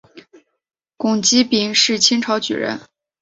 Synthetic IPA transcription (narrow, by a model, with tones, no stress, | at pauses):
kʊ˨˩ŋt͡ɕi˥pi˧˩˥ŋʂɻ̩˥˩t͡ɕʰi˥ŋʈ͡ʂʰɑ˧˥ʊt͡ɕy̰˨˩ɻə̰˧˥n